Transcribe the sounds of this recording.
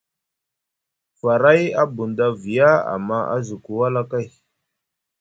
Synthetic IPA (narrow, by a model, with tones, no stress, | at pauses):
fa˨ɾa˦ja˦bu˨nda˦vi˨ja˦a̰˨mːa˦a̰˦zu˨ku˨wa˦la˦ka˦˨j